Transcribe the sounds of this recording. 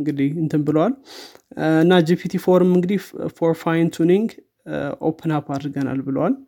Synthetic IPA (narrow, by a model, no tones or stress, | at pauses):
ŋɡɨd̪iɨnt̪ʰɨmbɨləwal | ɨnːad͡ʒipʰit̪ʰifo̞ɾɨmɨŋɡɨd̪ifoɾfajnt̪ʰuniŋɡ | ʔo̰pʰənapʰad̪ɾɡəna̰lbɨləwal